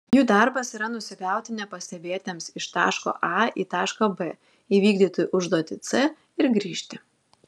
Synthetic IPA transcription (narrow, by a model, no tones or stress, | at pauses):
juːd̪ɐˑɾbɐsiːɾɐnʊsʲɪɡɑˑʊt̪ʲɪnʲɛpɐsʲt̪ʲɛbʲeːt̪ʲemsɪʃt̪ɑ̰ːʃko̰ːʔɑḭːt̪ɑːʃkɐbɛ | iːʋʲiːɡd̪ʲiːt̪oːjuʔʊʒd̪oːt̪ʲɪt̪sɛ | ɪɾɡɾʲiːʃʲt̪ʲɪ